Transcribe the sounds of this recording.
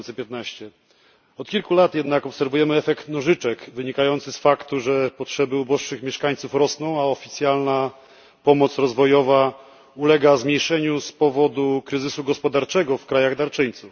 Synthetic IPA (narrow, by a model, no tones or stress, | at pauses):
nsɛpʲjɛt̪naɕt͡ɕɛ | ɔt̪kʲilkulat̪jɛd̪nakɔpsɛɾvujɛmɘɛfɛkt̪nɔʐɘt͡ʂɛkvɘɲikajɔnt̪sɘsfakt̪uʐɛpɔtʂɛbɘubɔʂʂɘxmʲjɛʂkaɲt̪sufɾɔsnɔ̃w̃aɔfʲit̪sʲjalna | pɔmɔt̪sɾɔzvɔjɔva | ulɛɡazmʲjejʂɛɲuspɔvɔd̪ukɾɘzɘsuɡɔspɔd̪aɾt͡ʂɛɡɔfkɾajaɣd̪aɾt͡ʂɘɲt̪suf